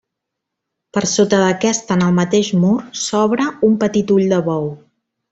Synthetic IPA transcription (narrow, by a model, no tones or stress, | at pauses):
pəɾsot̪əðəkɛst̪ənəlˠmət̪eʃmuɾsɔβɾəumpət̪it̪uʎd̪əβɔw